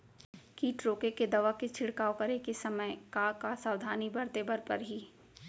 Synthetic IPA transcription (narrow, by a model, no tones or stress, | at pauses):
kiːʈɾoːkeked̪ɐʋaket͡ʃʰɪɽkaːokɐɾekesɐməjkakasaːʋd̪ʱaːnibɐɾt̪ebɐɾpɐɾɦiː